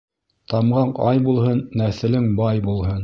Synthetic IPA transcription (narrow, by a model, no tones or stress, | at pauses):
t̪ɑmʁɑɴɑjbulˠhɤnːæθɘ̆lɘŋbɑjbulˠhɤn